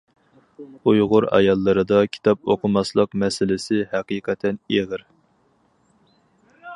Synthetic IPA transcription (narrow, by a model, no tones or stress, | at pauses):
ujʁʊɾɑ̰jɑlˠːɨɾɨd̪ɑkʲʰi̥t̪ʰɑp̚oqʰʊmɑslˠəqmɛsɪlɪsɪhæqiqʰɛt̪ʰɛneʁəɾ